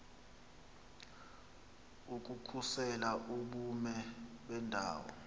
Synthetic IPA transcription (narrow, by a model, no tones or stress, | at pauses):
uk̬ʼukʰusɛlaʔuɓumɛɓɛndʱa̰ːwɔ̰